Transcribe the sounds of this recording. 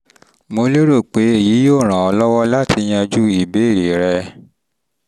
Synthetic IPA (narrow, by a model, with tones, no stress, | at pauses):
mo˧lo˦ɾo˦˨k͡pe˨˦e˦˨ji˨˦joː˦˨ɾ̃ã˨ɔ˧lɔ˦wɔ˦la˦tʰi˧j̃ã˧d͡ʒu˦i˨be˨˦˨ɾi˨ɾɛ˧